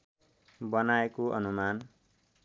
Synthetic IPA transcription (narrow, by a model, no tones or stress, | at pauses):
bʌnaekoʔʌ̰numan